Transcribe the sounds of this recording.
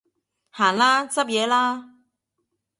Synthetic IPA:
haː˨˩nlaː˥t͡sɐ˥p̚jɛː˨˧laː˥

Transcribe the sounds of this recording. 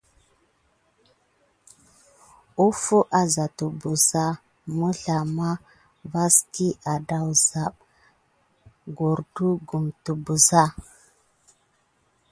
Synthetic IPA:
u˦fu˦ʔa˨za˨tu˨bu˨za˦ | mu˦ɬa˨ma˦ | va˦ski˦ʔa˨da˨wza˨ɓ | ɡo˨ɾdu˦ɡu˨mtu˨bu˨za˦

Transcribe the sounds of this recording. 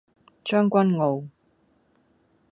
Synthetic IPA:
t͡ʃœː˥ŋkʷɐ˥nŋo˨˧w

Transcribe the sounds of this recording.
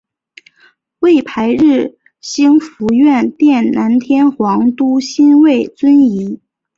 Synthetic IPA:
we˥˩ɪpʰa˧˥ɪɻ̩˥˩ | ɕi˥ŋfu˧˥ɥɛ˥˩nt̪jɛ˥˩nna˧˥nt̪ʰjɛ˥nxwɑ˧˥ŋt̪u˥ɕi˥nwe˥˩ɪt͡swə˥ni˧˥

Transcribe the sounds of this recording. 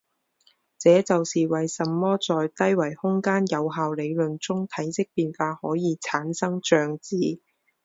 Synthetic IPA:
t͡sɛː˨˧t͡sɐ˨wsiː˨wɐ˨jsɐ˨mːɔː˥t͡sɔː˨˧jt̪ɐ˥jwɐ˨˩jhʊ˥ŋkaː˥njɐ˨˧wɦaː˨wle˨˧jlɵ˨nt͡sʊ˥ŋt̪ʰɐ˨˥jsɪ˥k̚piː˨nfaː˧hɔː˨˥jiː˨˧t͡sʰaː˨˥nsɐ˥ŋt͡ʃœː˨˧ŋt͡siː˨˥

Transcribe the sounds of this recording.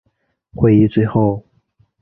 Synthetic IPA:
xwe˧˥i˧t͡swe˥˧ɪxo˥˩ʊ

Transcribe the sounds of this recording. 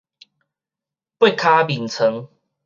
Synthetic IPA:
pwe˥˨kʰa˦bi˨˩nt͡sʰə˨˦ŋ

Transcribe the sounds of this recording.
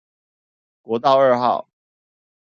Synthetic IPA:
kwɔ˨˧˥t̪ɑ˥˧ʊə˞˥˧xɑ˥˨˩ʊ

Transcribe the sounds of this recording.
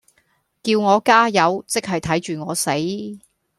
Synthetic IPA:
kiː˧wŋɔː˨˧kaː˥jɐ˨˧wt͡sɪ˥k̚hɐ˨jt̪ʰɐ˨˥jt͡ʃyː˨˩ŋɔː˨˧se˨˥j

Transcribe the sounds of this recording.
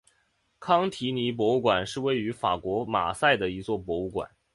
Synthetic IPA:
kʰɑ˥ŋt̪ʰi˧˥ni˧˥p̬wɔ˧˥u˥˩kwa˨˩nʂɻ̩˥˧we˥˩ɪy˧˥fa̰˨˩kwɔ˧˥ma̰˨˩sa˥˩ɪd̪ə˩i˧˥t͡swɔ˥˩pwɔ˧˥u˥˩kwa̰˨˩˦n

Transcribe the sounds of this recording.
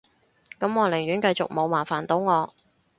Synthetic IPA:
kɐ˨˥mŋɔː˨˧lɪ˨˩ɥyː˨˥nkɐ˧jt͡sʊ̰˨k̚mo˨˧wmaː˨˩faː˨˩nt̪o˨˥wŋɔː˨˧

